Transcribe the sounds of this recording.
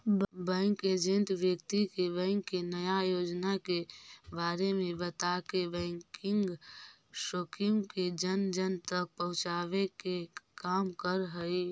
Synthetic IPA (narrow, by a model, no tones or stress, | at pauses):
bɛ̃ːŋked͡ʒẽnt̪ʋjəkt̪ikebɛ̃ːŋkːenəjajoːd͡ʒnakebaːɾemẽbət̪akebɛ̃ːŋkɪ̃ŋɡ | ʃoːkʰɪmked͡ʒənd͡ʒənt̪ək̚pəɦʊ̃t͡ʃaːwekekaːmkəɾɦəi